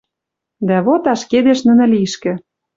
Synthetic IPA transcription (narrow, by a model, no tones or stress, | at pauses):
d̪æβot̪ɑʃked̪eʃnə̆nɘ̆liʃkĕ